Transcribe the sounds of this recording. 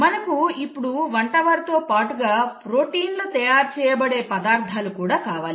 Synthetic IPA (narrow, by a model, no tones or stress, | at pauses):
mɐnɐkuipːuɽuʋɐɳʈɐʋaːɾt̪o̞ːpaːʈuɡaːpɾo̞ːʈiːnlut̪ɐjaːɾt͡ʃɛːjɐbɐɽe̞ːpɐd̪aːɾt̪ʰːalukuːɽaːkaːʋaːli